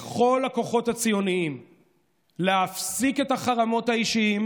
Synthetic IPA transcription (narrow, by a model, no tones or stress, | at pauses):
χo̞lako̞χo̞that͡sijo̞niim | leafsike̞taχaʁamo̞thaiʃiim